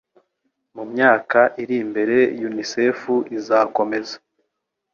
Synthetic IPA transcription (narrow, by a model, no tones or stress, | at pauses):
mumɲaːkaʔiɾimbe̞ɾe̞junise̞fuʔizaːko̞me̞za